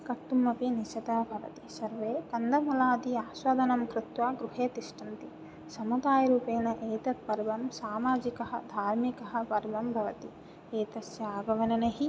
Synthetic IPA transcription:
kɐʈːumːɐpiniʃɐt̪ɐbʱɐʋɐ̰t̪isɐɾʋeːk̪ɐnd̪ɐmɐlaːd̪iaːsʋɐd̪ʱɐnɐmkɾɪt̪ʋaːɡɾuɦeːt̪iʃʈɐnt̪i | sɐmud̪aːjɐɾuːpeːnɐʔeːt̪ɐt̪̚pɐɾbɐmsaːmaːd͡ʒikɐɦɐ̰d̪ʱaːɾmikɐɦɐ̆pɐɾbɐmbʱɐʋɐt̪i | eːt̪ɐsjɐaːɡɐʋɐnɐneɦi

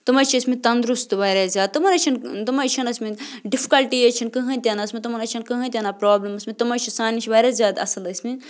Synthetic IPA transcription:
t̪ɨmɐt͡ʃʰiɐsmit̪ɐnd̪ɾust̪ɨʋɐːɾʲazʲjaːd̪̚t̪ɨmɐnɐt͡ʃʰint̪ɨmɐt͡ʃʰɐnɐsmiɖipʰi̥kɐlʈijɐt͡ʃʰinkɨɦɐnt̪ʲjaːnasmʲit̪ɨmɐnɐt͡ʃʰɐnkɨɦɐ̃nʲt̪ʲaːnapɾaːblimɐsmʲit̪ɨmɐt͡ʃʰisaːnit͡ʃʰiʋɐːɾʲazʲjaːd̪ɐ̰sɨlɐsʲmi

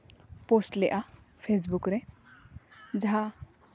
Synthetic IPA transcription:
posʈlɛʔa | pʰes̬bukɾɛ | d͡ʒaɦa

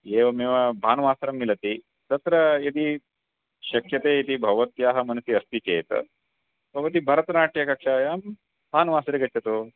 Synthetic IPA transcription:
eːʋɐmeːʋɐbʱaːnʋaːsɾɐmːilɐt̪i | t̪ɐt̪ɾɐjɐd̪i | ɕɐkjɐt̪eːit̪ibʱɐʋɐt̪jaːɦɐ̆mɐnɐsiɐst̪ikeːt̪ɐ̰ | bʱɐʋɐt̪̬ibʱɐɾɐt̪ɐnaːʈjɐkɐkʂaːjaːm | bʱaːnʋaːsɾeɡɐʈt͡ʃʰɐt̪oː

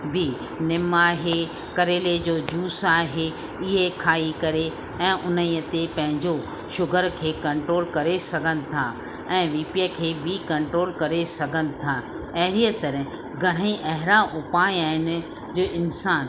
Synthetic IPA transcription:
bʱi | nɪmaːɦe | kɐɾeːled͡ʑoːd͡ʑuːsaːɦe | ɪɦekʰaːikɐɾe | ɛ̃ːʔʊnəiːət̪epɐ̃ɦɪ̃ɲd͡ʑo | ʃʊɡəɾkʰeːkɐ̃ɳʈɾoːlkɐɾesɐɡʱənɪ̆t̪ʰa | ɛ̃ːʋiːpijəkʰeːbʱikɐ̃ɳʈɾoːlkɐɾesɐɡʱənɪ̆t̪ʰa | ɐɦɾiət̪ɐɾɛ̃ | ɡʱɐɽ̤̃əĩʔɐɦɪɾaʔʊpaːjaːɦɪnɪ̆ | d͡ʑoːʔɪnsaːn

